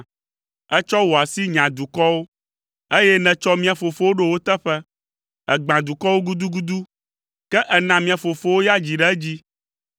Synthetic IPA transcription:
ɛ˦t͡ʃɔ˦wo˨a˨si˦ɲã˨d̪u˨kɔ˦wo˦ | e˦jɛ˦nɛ̃˨t͡ʃɔ˦mĩ˦ã˨fo˨fo˦wo˦ɖe˦wo˦t̪ɛ˦ɸɛ˦ | ɛ̰˨ɡ͡bã˨d̪u˨kɔ˦wo˦ɡu˦d̪u˦ɡu˦d̪u˦ | kɛ˦ʔɛ˨nã˨mĩ˨ã˨fo˨fo˦wo˦ja˦d͡ʑi˨ɖɛ˦ɛ˦d͡ʑi˦

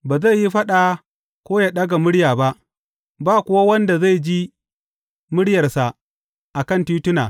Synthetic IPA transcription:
baː˨za˦˨jːi˦ɸɐ˦ɗa˨ | kʷoː˦jaː˨ɗɐ˦ɡa˨mʊ˦ɽjaː˨ba˦ʔ | baː˦kʷʊ˦wa˦wɐ˦nda˨za˦˨jd͡ʒi˦ | mʊ˦ɽjɐ˨rsa˨ | ʔa˨kɐ˦˨ntuː˦tʊ˦na̰ː˨

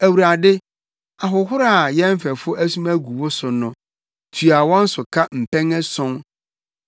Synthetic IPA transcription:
æ˨wu˨ɾa˨dɪ˦ | a˨ɦʊ˨ɦʊ˦ɾa˦˨jɛ˦m̩˦fɛ˨fʊ˦æ˦sũ˦mæ˦ɡu˨wʊ˦sʊ˨nʊ̃˦ | tʰɥa˨wɔ̃˦n̩˦sʊ˨kʰa˦m̩˨pɛ̃˦ŋɛ˦sɔ̃˦ŋ

